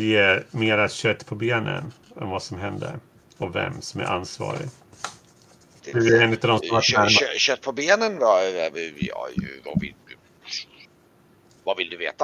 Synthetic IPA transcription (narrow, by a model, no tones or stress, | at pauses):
jeːmeːɾat̪ɕœt̪ːpʰɔbeːnə̰nɛnvasɔmɦɛnd̪ə̰ɾ | ɔvɛ̰mːsɔmæ̰ɾʔansvɑ̰ːɾɪ̰ | ɛeːnɪt̪avd̪ɔmsɔmaæmɕœt̪̚ːpʰɔbeːnənbɑɾɛvəjɑ̰j̰va̰vɪ̰ld̪ | vavɪld̪ɵveːt̪a